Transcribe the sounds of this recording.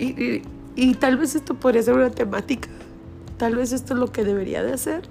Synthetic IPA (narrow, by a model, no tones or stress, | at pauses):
iʔi | it̪alβe̞s̬e̞st̪o̞poðɾias̬eɾunat̪e̞mat̪ikḁ | t̪alβe̞s̬est̪oezlo̞ke̞ðe̞βe̞ɾḭa̰ðease̞ɾ